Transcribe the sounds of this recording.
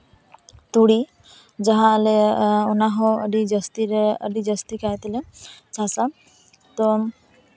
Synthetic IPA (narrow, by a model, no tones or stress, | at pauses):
t̪uɽi | d͡ʒaɦãəleunaɦɔ̃əɖid͡ʒəst̪iɾeə̰ɖid͡ʒəst̪ikajt̪let͡ʃʰasa | t̪ɔ